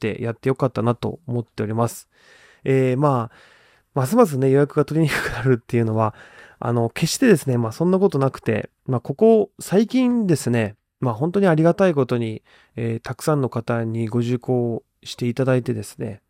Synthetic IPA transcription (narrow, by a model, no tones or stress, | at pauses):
t̪e̞̰jʔat̪ːe̞jo̞kat̪ːanat̪o̞̰omo̞t̪ːe̞o̞ɾʲimasɨ̥ | emaː | mas̬ɨmas̬ɨne̞jo̞jakɯ̟ɡat̪o̞ɾʲiɲ̟ikɯ̟̥kɯ̟naɾɯ̟t̪ːe̞jɯ̟no̞βaa̰no̞ke̞ɕi̥t̪e̞d̪e̞sɨne̞maːsõ̞nːako̞t̪o̞nakɯ̟̥t̪e̞̰ | maːko̞ko̞saikʲĩnd̪e̞sɨne̞ | maːɦont̪o̞ɲ̟iaɾʲiɡat̪aiko̞t̪o̞ɲ̟i | eːt̪akɯ̟̥sãnːo̞kat̪aɲ̟iɡo̞ʑɨko̞ː | ɕi̥t̪e̞it̪ad̪ait̪e̞d̪e̞sɨ̥ne̞̰